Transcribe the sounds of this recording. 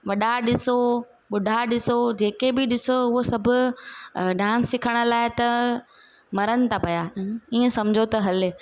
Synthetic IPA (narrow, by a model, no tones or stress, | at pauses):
ʋɐɗaɗɪso | ɓʊɖʱaɗɪsod͡ʑeːkebɪɗɪsoʊɦosɐbʱʊ̆ | ɖãːsːɪkʰəɽ̃ʊ̆laːɪt̪ɐ | mɐɾəñɪ̆t̪ʰapɐjaiːə̃sɐmd͡ʑʱot̪ɐɦɐl